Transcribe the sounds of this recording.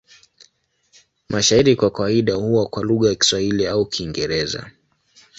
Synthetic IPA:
mʔaʃaiɾikwakawaiɗahuwakwaluɣajaki̥swahiliaukʰiŋɡɛɾɛza̰

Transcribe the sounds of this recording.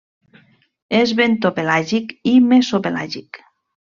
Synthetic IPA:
ezβent̪opelaʒikimesopela̰ʒik

